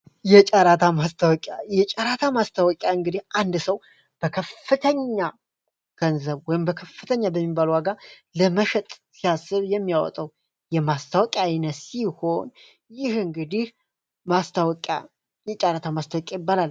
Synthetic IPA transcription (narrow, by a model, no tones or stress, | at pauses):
jɛt͡ʃʼaɾat̪ʰamast̪ʰawɔkʼajɛt͡ʃʼaɾat̪ʰamast̪ʰawɔkʼjaɨŋɡɨd̪ihʔand̪səw | b̥əkʰəfːɨt̪ʰəɲːa | ɡ̥ənzəβwɔjɪmbəkʰəfːɨt̪ʰəɲːabəmːibalwaɡa | ləməʃɛt̪ʼsijasːɨβjɛmːijawɔ̰t̪ʼəw | jɛmast̪ʰawɔkʼjanət̪siho̞n | jɪhɨŋɡɨd̪ih | mast̪ʰawkʼa̰ | jɛt͡ʃʼaɾat̪ʰamast̪ʰawɔkʼajɪbːalalː